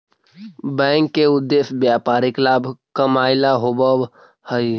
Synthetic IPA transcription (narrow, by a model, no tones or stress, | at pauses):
bɛ̃ːŋkːeʊd̪ːesbjapaːɾiklaːbʱkəmaːɪlaɦobəb | hə